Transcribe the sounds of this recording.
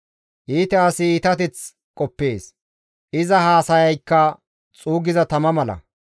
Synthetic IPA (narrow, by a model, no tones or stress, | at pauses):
ʔiːt̪ɛɐsɪiːt̪ɐt̪ɛt͡s | kʼɔpːe̞ːs | ʔɪzɐhaːsɐjɐjkːɐ | t͡sʼuːɡɪzɐt̪ɐmɐmɐlɐ̰